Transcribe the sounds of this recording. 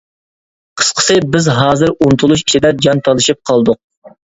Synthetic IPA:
qʰə̥sqʰə̥sɨbɪzɦɑːzɨɾunt̪ʰulˠuʃi̥ʃid̪ɛd͡ʒɑnt̪ʰɑlˠɨʃip̚qʰɑlˠd̪ʊq̚

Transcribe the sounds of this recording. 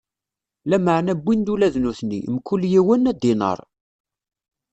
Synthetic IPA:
læməʕnæbːind̪ulæðnuθnḭmkːʊlːjiwənːæd̪ɪnə̰ɾˤ

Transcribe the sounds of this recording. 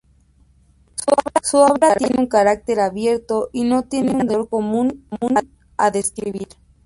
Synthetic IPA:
suoβɾasuoβɾaɾjeneuŋkaɾak̚t̪e̞ɾaβje̞ɾt̪o̞ʔino̞t̪je̞neud̪oɾkomunmuna | a̰ðe̞skɾiβiɾ

